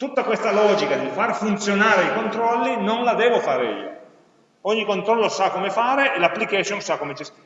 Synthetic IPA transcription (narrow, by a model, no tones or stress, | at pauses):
t̪ut̪ːakwest̪alɔːd͡ʒikad̪ifarfunt̪sjonaːɾeikont̪ɾɔlːinonlad̪ɛːvofaːɾḛḭːo̰ | ɔɲːikont̪ɾɔlːosakːomefaːɾeʔelapːlikɛsjonsakːomet͡ʃis